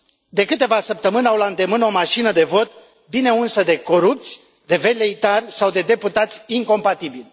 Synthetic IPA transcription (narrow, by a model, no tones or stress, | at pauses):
d̪e̞kɨt̪e̞vasəp̚t̪əmɨnawlaɨnd̪e̞mɨno̞maʃinəd̪e̞vo̞t̪ | bine̞unsəd̪e̞ko̞ɾup̚t̪sʲ | d̪e̞ve̞leit̪arʲsawd̪e̞d̪e̞put̪at̪sʲiŋko̞mpat̪ibilʲ